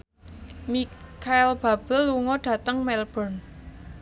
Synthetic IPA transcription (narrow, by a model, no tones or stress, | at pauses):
mikʰaɪlb̥a̤b̥ə̤lːuŋɔɖ̥ä̤t̪əŋmɛlb̥ɔn